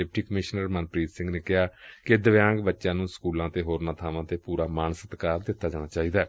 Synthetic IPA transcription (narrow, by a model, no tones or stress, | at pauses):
ep̚ʈiːkəmɪʃnəɾmənpɾiːt̪sɪ̃ŋɡneːkɪaːked̪əʋjãːŋɡbətːʃãːnũːskuːlãːt̪eːɦoːɾnaːt̪ʰaːʋãːt̪eːpuːɾaːmaːnəsət̪kaːɾd̪ɪt̪ːaːd͡ʒaːɽ̃aːt͡ʃaːiːd̪aː